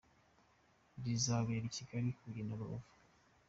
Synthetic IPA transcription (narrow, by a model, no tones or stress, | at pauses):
bizaβeːɾiciɡaɾikuɾinaβao̰vu̥